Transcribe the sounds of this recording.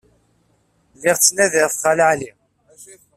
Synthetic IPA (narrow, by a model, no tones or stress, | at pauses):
lɪʁt͡sːnæðɪʁθχalʕli